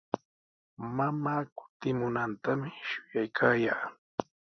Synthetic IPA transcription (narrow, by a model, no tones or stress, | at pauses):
mamaːkʊ̥t̪ɪmʊnant̪amɪʃʊjajkʰaːjaː